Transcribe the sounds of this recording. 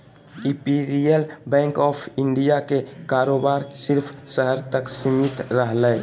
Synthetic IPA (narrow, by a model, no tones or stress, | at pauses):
ipiɾielbɛ̃ŋkɔːpʰɪɳɖijakekaɾobaɾsɪɾpʰsəɦəɾt̪əksimit̪ɾəɦlɛj